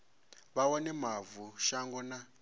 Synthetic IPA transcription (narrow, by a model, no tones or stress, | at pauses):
βawɔnɛmavuʃaŋɡɔna